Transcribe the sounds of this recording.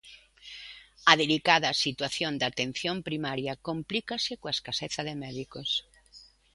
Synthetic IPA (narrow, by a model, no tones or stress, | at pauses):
ɐðelikaðɐsit̪waθjond̪at̪en̟θjompɾimaɾjɐkomplikɐsɪkoaeskaseθɐðemɛðikos